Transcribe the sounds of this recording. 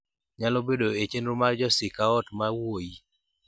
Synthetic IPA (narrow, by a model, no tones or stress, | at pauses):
ɲalobedoet͡ʃenɾʊmad͡ʒɔsɪkaɔtmawoji